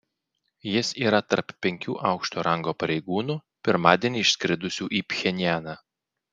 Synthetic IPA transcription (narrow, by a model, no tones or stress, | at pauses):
jɪsiːɾɐt̪ɐɾppʲɛŋʲkʲṵːʔɑˑʊkʃt̪oːɾɐŋɡoːpɐɾʲɛɪɡuːnuː | pʲɪɾmɑːd̪ʲiɛnʲiɪʃsʲkʲɾʲɪd̪ʊsʲuːʔiːpʲxʲɛnʲɪjæːnɑ